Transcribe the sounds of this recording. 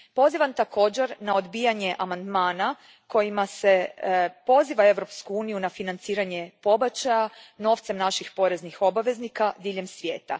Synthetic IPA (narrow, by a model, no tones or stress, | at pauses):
po̞ziʋamt̪ako̞ːd͡ʑe̞ɾnao̞d̪bijaɲe̞ʔamand̪maːna | ko̞jimase̞po̞ziʋae̞ʋɾo̞pskuuːnijunafinant̪siːɾaɲe̞po̞bat͡ɕajano̞ːft̪se̞mnaʃixpo̞ɾe̞znixo̞baʋe̞znikad̪iːʎe̞msʋje̞ːt̪a̰